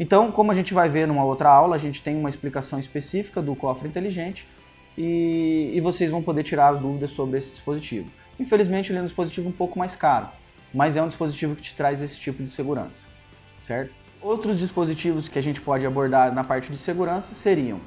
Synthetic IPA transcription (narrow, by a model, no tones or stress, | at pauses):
ẽnt̪ɐ̃w̃kõmʊɐʒẽnt͡ʃɪvajveɾnũmɐowt̪ɾɐawlɐːʒẽnt͡ʃɪ̥t̪ẽj̃ũmɐɪsplikasɐ̃w̃ispesifi̥kɐd̪ʊkɔfɾɪĩnt̪eliʒẽnt͡ʃɪ̥ | ɪː | vosejzvɐ̃w̃pod̪eɾt͡ʃiɾaɾɐzd̪uvid̪ɐsːobɾɪesɪd͡ʒi̥spozit͡ʃivʊ | ĩfelizmẽnt͡ʃɪelɛ̃d͡ʒispozit͡ʃivʊũpowkʊmajskaɾʊ̰ | mɐzɛũd͡ʒispozit͡ʃivʊkɪ̥t͡ʃɪ̥t̪ɾajzesɪ̥t͡ʃipʊd͡ʒɪseɡuɾɐ̰̃sɐ̥ | sɛɾt̪ʊ̥ | owt̪ɾʊzd͡ʒispozit͡ʃivʊskɪaʒẽnt͡ʃɪ̥pɔd͡ʒɪaboɾd̪aɾnɐpaɾt͡ʃɪd͡ʒɪseɡuɾɐ̃sɐseɾiɐ̰̃w̃